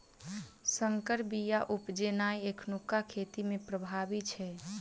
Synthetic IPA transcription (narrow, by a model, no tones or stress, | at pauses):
səŋkəɾbijaʔupd͡ʒenaːjekʰnukːakʰet̪imẽpɾəbʱabit͡ʃʰɛ